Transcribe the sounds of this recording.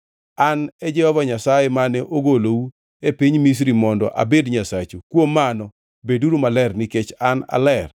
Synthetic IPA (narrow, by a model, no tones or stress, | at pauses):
anɛd͡ʒɛhɔvaɲasajemanɛʔoɡolowu | epiɲmis̬ɾimɔndɔ̰ʔa̰bedɲasat͡ʃokwomːanɔ | beduɾumalɛrnɪket͡ʃana̰lɛr